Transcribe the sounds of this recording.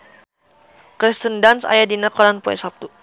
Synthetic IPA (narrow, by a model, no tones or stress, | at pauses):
kɾist̪əndansa̰jadinakɔɾanpɔɛ̰sap̚t̪u